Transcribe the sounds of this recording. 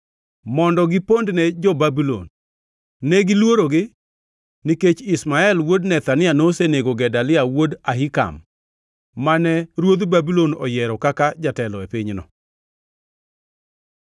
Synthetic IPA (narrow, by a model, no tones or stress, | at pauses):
mɔndɔɡɪpondnɛd͡ʒɔbabilo̰nː | ɛɡɪlwoɾoɡɪ | niket͡ʃɪsmaɛlwodnɛt̪anɪanoseneɡoɡɛdalɪawodaɦɪka̰mː | anɛɾwod̪babilonɔ̰jɛɾɔkakad͡ʒatɛlɔepiɲnɔ̰